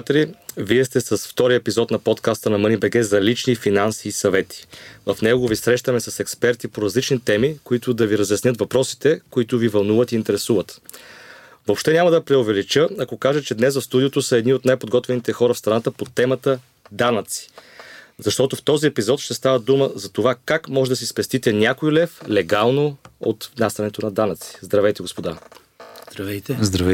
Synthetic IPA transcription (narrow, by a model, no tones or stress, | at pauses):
t̪ɾiviɛst̪ɛsɐsft̪ɔɾijəɛpizɔt̪nɐpɔt̪kast̪ənɐmɤnibɛɡɛzɐlit͡ʃnifinansiːsɐvɛt̪ʰi̥vɐfnɛɡovisɾɛʃt̪əmɛsɐsɛkspɛɾt̪ipoɾɐzlit͡ʃnit̪ɛmikoit̪ʊd̪ɐviɾɐzjɐsnʲɤt̪vɐpɾɔsi̥t̪ɛkoit̪ʊvivɐlˠnuvət̪iːnt̪ɛɾɛsuvət̪ | vopʃt̪ɛnʲamɐd̪ɐpɾɛovɛlit͡ʃəɐkokaʒət͡ʃɛd̪nɛsɐfst̪ud̪ijot̪osəɛd̪niot̪najpod̪ɡɔt̪vɛnit̪ɛxɔɾɐfst̪ɾɐnat̪əpot̪ɛmɐt̪ə | d̪anət̪si̥zɐʃt̪ɔt̪oft̪ɔziɛpizɔt̪ʃt̪ɛst̪avəd̪uməzɐt̪ovakakmɔʒɛd̪ɐsispɛst̪it̪ɛnʲakojilɛflɛɡalˠnoo̰t̪nast̪ɐnɛt̪onɐd̪anət̪si̥zd̪ɾɐvɛjt̪ɛɡospod̪a | zd̪ɾɐvɛjt̪ɛzd̪ɾɐvɛ